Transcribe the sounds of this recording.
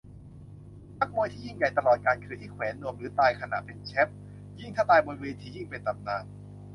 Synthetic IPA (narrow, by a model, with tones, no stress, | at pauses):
na˦˥k̚mu˧jt̪ʰiː˥˩ji˥˩ŋja˨˩jt̪a˧lɔː˨˩t̪̚kaː˧nkʰɯː˧ʔi˦˥˩kʰwɛː˩˦nːu˧˩əmɾɯː˩˦t̪aː˧jkʰa˧na̰˨˩ʔpe˧nt͡ɕʰɛ˦˥p̚ | ji˥˩ŋt̪ʰaː˥˩t̪aː˧jbo˧nweː˧nt̪ʰiː˥˩ji˥˩ŋpe˧nt̪a˨˩p̚naː˧˩n